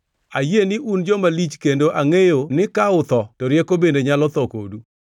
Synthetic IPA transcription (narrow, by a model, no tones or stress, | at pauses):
ajenɪʔund͡ʒɔmalit͡ʃkendoʔaŋejonɪkaʊt̪ɔtɔɾjekobendeɲalɔt̪ɔko̰du